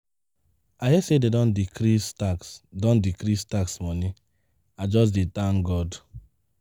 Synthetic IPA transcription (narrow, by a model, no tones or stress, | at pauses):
ajɛsededɔ̃ndikɾistaksdɔ̃ndikɾistaksmɔni | ad͡ʒɔs̬ditãŋɡɔd